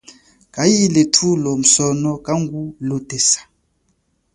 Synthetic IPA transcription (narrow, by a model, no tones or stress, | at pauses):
kajiletʰulɔm̩sɔnɔkaŋɡulod̥ʱɛsḁ